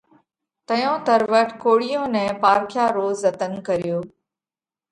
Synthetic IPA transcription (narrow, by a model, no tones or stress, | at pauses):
t̪əjõːt̪əɾʋəʈʰkoːɽɪjõːnɛ̃ːpaːɾkʰjaːɾoːzət̪ənkəɾɪjoː